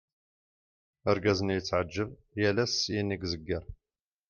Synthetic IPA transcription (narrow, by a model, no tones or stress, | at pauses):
əɾɡæzənjət͡sːʕəd͡ʒːəv | jælæsjiniɡzəɡːəɾˤ